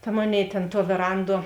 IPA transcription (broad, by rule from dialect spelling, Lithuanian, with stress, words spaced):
tɐ ˈmoːˌnʲeːɪ tʲeːn tuɔ ʋʲeːˈrɐnˌduɔ